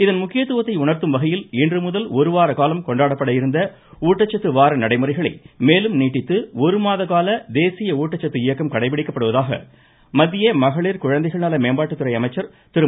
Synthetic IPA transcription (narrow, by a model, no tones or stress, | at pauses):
ɪðɐnmʊkːɪjɐt̪ːɯːʋɐt̪ːɐɪʊɳɐɾt̪ɯmʋɐɣɐjɪlɪndrɯmʊðɐlɔɾɯʋaːɾɐkaːlɐmkɔɳɖaːɽɐpːɐɽɐjɪɾɯnd̪ɐ | uːʈːɐt͡ʃːɐt̪ːɯʋaːɾɐnɐɽɐɪmɯrɐɪɣɐɭɐɪmeːlɯmniːʈːɪt̪ːɯɔɾɯmaːðɐɣaːlɐd̪eːsɪjɐuːʈːɐt͡ʃːɐt̪ːɯɪjɐkːɐmkɐɽɐɪpːɪɽɪkːɐpːɐɽɯʋɐðaːɣɐ̰ | mɐd̪ːɪjɐmɐɣɐɭiːɾkʊɻɐnd̪ɐɪɣɐɭnaːlɐmeːmbaːʈːɯt̪ːɯɾɐɪɐmɐɪt͡ʃːɐɾ | t̪ɪɾɯ